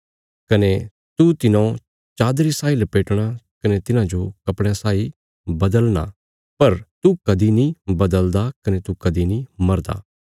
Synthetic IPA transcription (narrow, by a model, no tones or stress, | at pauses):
kɐne | t̪ut̪ɪnõ | t͡ʃaːd̪ɾisaːilɐpeːʈɽ̃akɐnet̪ɪnãd͡ʒokɐpɽ̃jãsaːi | bɐd̪əlna̰ | pɐɾt̪ukɐd̪inĩbɐd̪əld̪akɐnet̪ukɐd̪inĩmɐɾd̪a̰ː